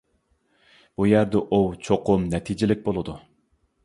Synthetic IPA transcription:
b̥ujæɾd̪ɛʔuwt͡ʃʰoqʰʊmnɛt̪ʰid͡ʒɪlɪk̚ʲbolˠɨd̪u

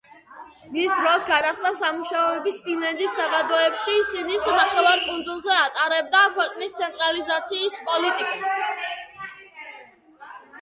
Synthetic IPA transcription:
misd̪ɾɔsɡad̪aχd̪asamuʃaɔɛbispʼinɛnd̪isːaʁad̪ɔɛpʃisinisnaχɛlaɾkʼund̪zulˠzɛat̪ʼaɾɛb̚d̪akʰwɛqʼnist̪sʰɛnt̪ʼɾalizat̪sʰiːspʼɔlit̪ʼikʼa

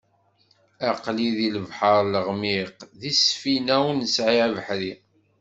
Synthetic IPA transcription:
æqliðiləvħɑɾˤləʁmiqðisfinæwnəsʕiævəħɾi

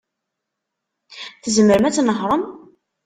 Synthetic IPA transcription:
θəzəməɾəmæt͡sːnəɦɾˤəm

